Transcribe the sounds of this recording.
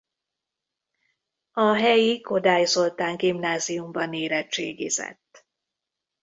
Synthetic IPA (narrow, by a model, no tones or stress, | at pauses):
ɒɦɛjiko̞d̪aːjzo̞lt̪aːŋɡimnaːzijumbɒneːɾɛt͡ʃeːɡḭːzɛ̰t̪ː